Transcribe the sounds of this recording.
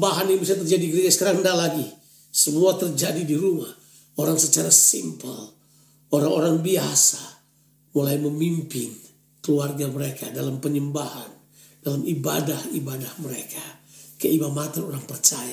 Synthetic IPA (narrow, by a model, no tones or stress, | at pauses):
baɦaninibisat̪ərd͡ʒadiɡɾed͡ʒasə̥kaɾaŋndalaɡi | səmuat̪ərd͡ʒadidiɾumah | oɾaŋsət͡ʃaɾasimpəl | oɾaŋoɾaŋbiasa | mulaiməmimpɪn | kəluarɡaməɾeka̰dalampəɲəmbahan | dalamiba̰dahibadahməɾekʰakəimamat̪anoɾaŋpərt͡ʃaja